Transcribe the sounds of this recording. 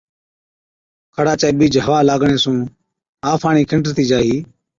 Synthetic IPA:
kʰəɽaːt͡ʃaeːɓiːd͡ʒɦəʋaːlaːɡɳeːsũː | aːfʰaːɳiːkʰɪɳʈɾt̪iːd͡ʒaːɦiː

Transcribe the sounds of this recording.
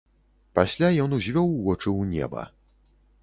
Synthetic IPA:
paɕlʲajɔnuʑvʲɔwːɔt͡ʂɨuɲɛ̰ba̰

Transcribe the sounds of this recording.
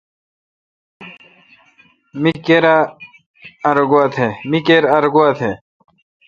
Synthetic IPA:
mikeɾaː | ɾɡuat̪ʰemikeɾɐɾɡuat̪ʰe

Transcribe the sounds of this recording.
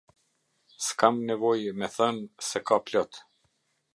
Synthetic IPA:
skamnɛvɔjmɛθɔnsɛkaplɔt̪

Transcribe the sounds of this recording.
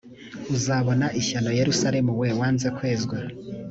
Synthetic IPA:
uzaβo̞naʔiçano̞je̞ɾusaɾe̞muwewaːnze̞kwe̞ːzɡwa

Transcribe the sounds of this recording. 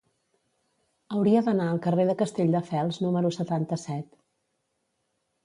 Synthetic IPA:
əwɾiəðənaəlˠkəreðəkəst̪eʎʲd̪əfɛlˠznuməɾusət̪ant̪əsɛt̪

